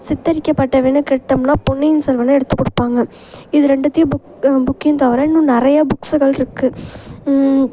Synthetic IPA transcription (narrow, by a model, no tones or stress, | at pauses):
sɪt̪ːɐɾɪkʲːɐpːɐʈːɐʋeːnɯkɪɽʈːɐmnaːpʊnːɪjɪnsɛlʋɐnɐɛɽɯt̪ːɯkːɔɽɯpːaːŋɡɐ | ɪðɯɾɛɳɖɐt̪ːɪjɐbʊ | bʊkːɪnt̪ɐʋɐɾɐɪnːũnɪɾɐjabʊksɯɣɐɭɪɾɯkːɯ